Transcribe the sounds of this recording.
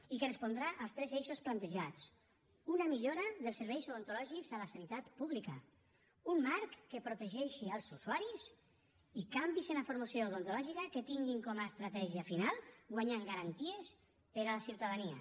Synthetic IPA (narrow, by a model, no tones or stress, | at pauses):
ikerespond̪ɾaʔalˠst̪ɾɛzeʃosplant̪eʒat͡s | unamiʎoɾaðelˠseɾβɛjzawðont̪olɔʒikzalasanit̪at̪puβlika̰ | ummaɾkːepɾot̪eʒɛʃialˠzusuaɾis | ikambizenafoɾmasjoːwðont̪olɔʒikaket̪iŋɡiŋkɔmaest̪ɾat̪ɛʒiafinalˠɡwaɲaŋɡaɾant̪ies | peɾalasiuwt̪aðania̰